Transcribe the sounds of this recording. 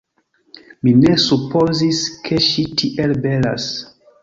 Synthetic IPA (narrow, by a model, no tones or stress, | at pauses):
mine̞supʰo̞ziskʰe̞ʃitʰiʔelbe̞la̰s